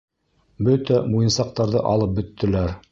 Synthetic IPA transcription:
bɵt̪æmujɤ̆nsɑq̚t̪ɑɾðɤ̰ʔɑ̰lˠɤp̚bɵ̆t̪ʰːɘ̆læɾ

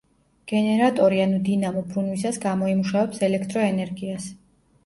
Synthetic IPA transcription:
ɡ̥ɛnɛɾat̪ʼɔɾianud̪inamɔbɾunwisasɡamɔimuʃavɛpsɛlɛkʰt̪ʼɾɔɛnɛɾɡias

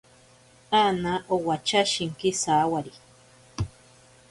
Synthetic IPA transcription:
anaʔowat͡ʃaʃiŋkisawaɾi

